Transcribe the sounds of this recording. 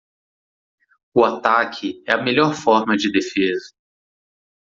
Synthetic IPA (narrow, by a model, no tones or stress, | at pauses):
ʊat̪akʰɪɛɐmeʎɔɾfɔɾmɐd͡ʒɪd̪efezɐ